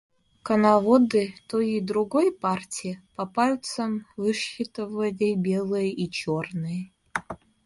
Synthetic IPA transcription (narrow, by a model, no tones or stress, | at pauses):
kɐnavod̪ɨt̪ʰojid̪ɾuɡojpartʲʰijpɐpalʲt̪sɐmvɨʂɪt̪ɨvɐdʲejbʲelˠɨjit͡ʃʰornɨj